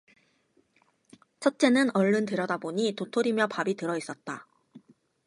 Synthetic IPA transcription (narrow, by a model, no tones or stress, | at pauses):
t͡ɕʰʌt̚t͡ɕ͈e̞nɯnʌɭːɯntɯɾjʌdaboɲitotʰoɾimjʌpabitɯɾʌis͈ʌt̚t͈a